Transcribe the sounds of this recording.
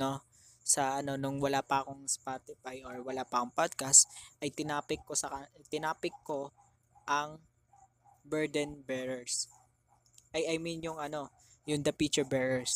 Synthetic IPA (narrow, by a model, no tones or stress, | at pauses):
no̞ | sɐʔɐno̞nʊŋwɐlaːpɐɐko̞ŋspat̪ɪfajʔoɹwɐlaːpɐkoŋpad̪̚kɐst̪ʔɐjt̪ɪnaːpɪkːosɐkat̪ɪnaːpɪkːo̞ | ʔɐŋ | bɛɹd̪ɛnbɛɹɛɹs | ʔɐjɐjminjʊŋɐno̞ | jʊnd̪ɐpit͡ʃʊɹbɛɹɛɹs